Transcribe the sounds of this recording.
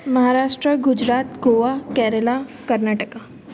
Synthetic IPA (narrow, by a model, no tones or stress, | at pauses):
məɦaɾaʂʈɾəɡud͡ʑɾat̪ɡoʋakɛɾəlakəɾnaʈəka